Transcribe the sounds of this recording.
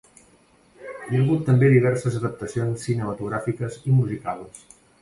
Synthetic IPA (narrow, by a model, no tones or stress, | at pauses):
jəɣut̪ːəmbeðiβ̞ɛɾsəzəðəp̚t̪əsionsːinəmət̪uɣɾafikəzimuzikaləs